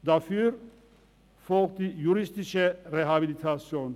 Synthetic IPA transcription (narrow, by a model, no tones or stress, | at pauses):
d̪afyɾ | fɔkd̪ijuɾist̪iʃɛɾɛɦabilit̪ʰasjɔn